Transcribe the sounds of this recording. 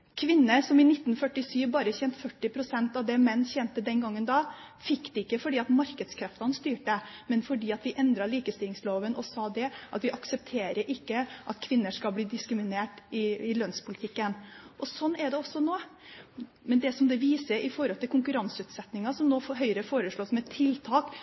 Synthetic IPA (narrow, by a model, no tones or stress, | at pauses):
kʰʋɪnːəɾsɔmɪnɪt̪ːn̩fœʈːɪsyːʋbɑːɾəçɛnt̪fœʈːɪpʰɾʊsɛnt̪ɑʋd̪ɛmɛnːçɛnt̪əd̪ɛnɡɑŋːənd̪ɑː | fɪkːd̪̥ɛɪkːəfɔɖiːɑt̪mɑɾkəd̪skʰɾɛft̪ɑnst̪yːʈəmɛnfɔɖiːɑt̪ʋɪʔɛnd̪ɾɑɭiːkəst̪ɪlɪŋsloːʋənʔɔsɑːd̪ɛʔɑt̪ʋɪʔɑksəp̚t̪ʰeːɾəɾʔɪkːəʔɑt̪kʰʋɪnːəʂkɑlbliːd̪ɪskɾɪmɪneːʈɪɪlœnspʰʊlɪt̪ʰɪkːənʔɔsɔnːɛɖɛɔsːɔnoː | mɛnd̪ɛsɔmd̪ɛʋiːsəɾʔɪfɔɾhɔlt̪ʰɪlkʰʊŋkʉɾɑnsʉːt̪sɛt̪nɪŋɑsɔmnoːɦœʏɾəfoːɾəʂɭoːsmɛt̪ʰːɪlt̪ʰɑːk